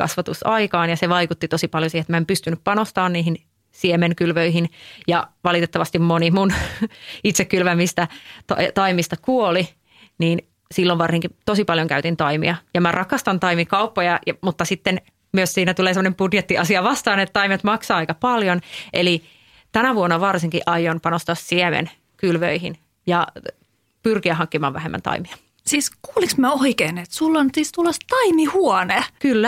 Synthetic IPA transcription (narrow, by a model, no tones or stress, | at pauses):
kɑ̰sʋɑt̪usɑikɑːnjɑseʋɑikut̪ːit̪osipɑljosiːhet̪mæempyst̪ynːyppɑnost̪ɑːnniːhin | siemeŋkylʋøihinjɑʋɑlit̪et̪ːɑʋɑst̪immonimun | it̪sekːylʋæmist̪ɑt̪ɑ̰t̪ɑimist̪ɑkuoli | niːn | silːoʋɑrsiŋkit̪osipɑljoŋkæyt̪int̪ɑimḭɑjɑmærʔɑkɑst̪ɑnt̪ɑimikɑupːojɑjɑmut̪ːɑsit̪ːen | myøssiːnæt̪uleːsemːonembudjet̪ːiɑsiɑʋɑst̪ɑːnet̪t̪ːɑimet̪mɑksɑːɑikɑpɑljoneli | t̪ænæʋuonːɑʋɑrsiŋkiʔɑjːonpɑnost̪ɑːssiemḛn | kylʋø̰ihin | jɑ | pyrkiæɦɑŋkːimɑ̰ːʋʋæɦemːæ̰nt̪ɑ̰imiɑ | siːskuːliksmæoikeːnet̪sulːonsiːst̪ulost̪ɑimihuɔnekylːæ